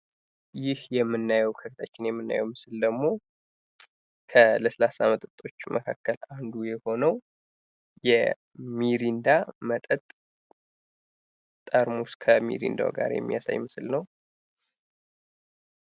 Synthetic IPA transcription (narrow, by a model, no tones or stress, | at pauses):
jɪhjɛmːɨnːajɛwkʰəkʰət̪ʰat͡ʃːɪnjɛmːɨnːa̰jɛwmɨsɨld̪əɡmo̞ | kʰələsəlasamət̪ʼɨt̪ʼːo̞t͡ʃːmʔəkʰakːəland̪ujɛho̞nəw | jɛ̰ | miɾind̪amət̪ʼət̪ʼ | t̪ʼəɾmuskʰəmḭɾḭnd̪a̰ɡa̰ɾjɛ̰mːija̰sa̰jmɨsɨlnəw